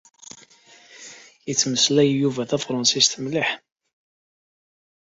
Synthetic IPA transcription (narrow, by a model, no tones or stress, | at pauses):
jət͡sːməslæjjuvæθæfɾˤɑnsist̪əmliħ